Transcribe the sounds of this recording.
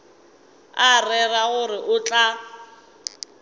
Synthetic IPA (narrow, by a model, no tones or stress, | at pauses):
arɛraɣʊrɪʔʊt͡ɬʼa